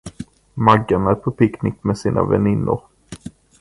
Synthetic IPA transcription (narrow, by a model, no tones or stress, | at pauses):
maɡːanæɾpʰɔpʰɪknɪkmɛsiːnʔa̰vɛ̰nɪnːʊ̰ɾ